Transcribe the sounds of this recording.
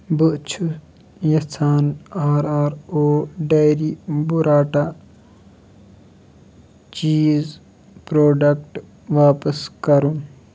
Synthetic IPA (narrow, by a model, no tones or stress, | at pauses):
buʔt͡ʃʰu | jɐsʰaːnaːɾaːɾoːɖɐjɾibuɾaːʈa | t͡ʃiːz | pɾoːɖɐkʈ | ʋaːpɐskɐɾũ